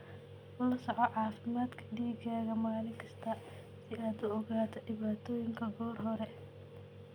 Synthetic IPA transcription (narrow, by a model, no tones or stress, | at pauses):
ʊlɐsɔʕɔʕɑːfɪmaːd̪kʰɐ̥ɖiːɡaːɣɐmaːlɪŋkʰɐst̪ʰɐ | sɪaːd̪ʊɔɣaːt̪ʰɐɖɪβaːt̪ʰɔːjɪŋkʰɐɡɔːrɦɔɾɛ